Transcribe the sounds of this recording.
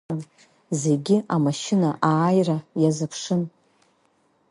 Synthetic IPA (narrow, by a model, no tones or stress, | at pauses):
n | ze̞ɡʲɪʔamaʃɪnaʔaːjrajazapʰʂɨn